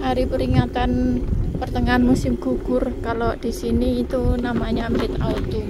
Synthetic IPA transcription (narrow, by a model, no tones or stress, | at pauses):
haɾipəɾiŋat̪anpərt̪əŋaːnmusɪmɡ̥uɡ̥ʊrkalod̥isiniːt̪unamaɲamɪt̪a̰ut̪u